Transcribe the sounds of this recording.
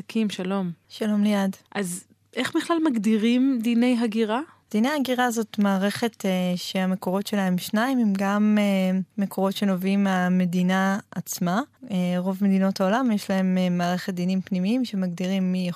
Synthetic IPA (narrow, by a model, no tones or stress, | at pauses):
kʰimʃalo̞mʃalo̞mlejadʔaz | ʔeχbiχlalmaɡdiʁimd̪ine̞jɦaɡiʁa | d̥inejhaɡiʁazo̞tmaːʁe̞χe̞teʃeameko̞ʁo̞tʃe̞lahemʃnaimimɡameːekʰo̞ʁo̞tʃe̞no̞vimame̞dinaat͡smaeʁo̞vme̞d̪ino̞thao̞lamjeʃlae̞memːaːʁe̞χe̞t̪̚d̪inimpnimiimʃe̞maɡdiʁimːija